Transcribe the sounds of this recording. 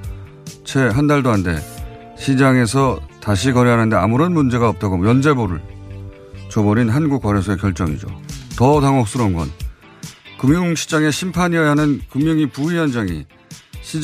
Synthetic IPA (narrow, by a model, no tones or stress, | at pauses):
t͡ɕʰe̞ɦandaɭdoɦande̞̰ | ɕʰid͡ʑaŋe̞sʰʌtaɕ̬ʰikʌɾeɦanɦande̞a̰muɾʌnmund͡ʑe̞ɡaʌp̚t͈aɡomjʌnd͡ʑe̞boɾɯɭ | t͡ɕobʌɾinɦanɡuk̚k͈ʌɾes̬ʰʌekjʌɭt͡ɕ͈ʌŋid͡ʑo̰tʌtaŋok̚s͈ɯɾʌnɡʌ̰n | kɯmjʌŋɕʰi̥t͡ɕ͈aŋe̞ɕʰimpʰaɲiajɦanɯnkɯmjʌŋipuijʌnd͡ʑaŋḭ | ɕʰi